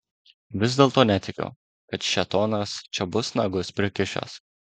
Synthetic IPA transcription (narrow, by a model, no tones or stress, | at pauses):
ʋʲɪzd̪ʲeːlˠt̪oːnʲɛt̪ʲɪkʲo̰ | kɐt̪ʃʲɛt̪oːnɐst͡ʃʲɛbʊsnɐɡʊspʲɾʲɪkʲɪʃʲo̰s